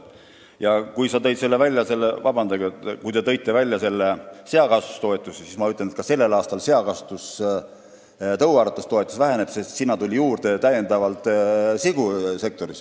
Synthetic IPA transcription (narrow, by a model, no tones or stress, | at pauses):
jɑkujsɑt̪ɤ̞jt̪se̞lːevælʲjɑse̞lːevɑbɑnd̪̥ɑɡɑet̪ːkujt̪e̞t̪ɤ̞jt̪ːˑe̞vælʲjɑse̞lːese̞ɑkɑst̪u̥st̪o̞e̞t̪ːˑusesismɑyt̪lːenet̪kɑse̞lːe̞lɑːst̪ɑlse̞ɑkɑst̪us | t̪ɤwɑːɾɑt̪ːˑust̪o̞et̪ːˑu̥svæɦe̞ne̞b̥se̞st̪sinːɑt̪ulʲijuːrd̪̥et̪æje̞nd̪̥ɑvɑlt̪ˑsiɡ̥use̞k̚t̪o̞ɾis